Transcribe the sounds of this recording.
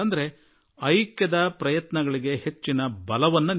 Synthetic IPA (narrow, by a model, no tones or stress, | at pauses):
ɐnd̪ɐɾe̞ | ɐjkjɐd̪ɐpɾɐjɐt̪nɐɡɐɭiɡe̞he̞t͡ʃːinɐbɐlɐʋɐnːun